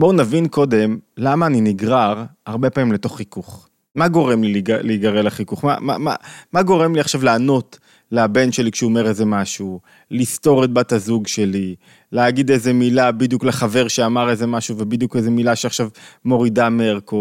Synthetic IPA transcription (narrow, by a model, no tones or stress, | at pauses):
bounavinko̞d̪e̞mlamaːniniɡʁaʁaʁbe̞pamimle̞to̞χːikuχ | maɡo̞ʁemlilialeɡaʁelaχikuχma̰ma̰ma̰maɡo̞ʁe̞mliaχʃavleːno̞t | leabe̞nʃe̞likʃeuomeʁeze̞maʃu | list̪o̞ʁet̪̚bat̪azuɡʃe̞li | leaɡid̪eze̞milabid̪jukleχave̞ʁʃeamaʁeze̞maʃuvebid̪jukeze̞milaʃeaχʃavmo̞ʁidameʁko